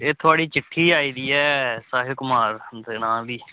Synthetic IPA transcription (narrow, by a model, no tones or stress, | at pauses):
eːt̪ʰʊaːɽiːt͡ʃɪʈʰːiːaːiːd̪iːɛːsaːɦɪkʊmaːɾd̪eːnaːd̪iː